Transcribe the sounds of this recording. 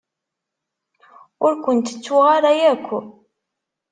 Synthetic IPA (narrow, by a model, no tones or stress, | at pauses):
ʊɾkʷʊnt̪ə̥t͡sːwuʁaɾajækʷːu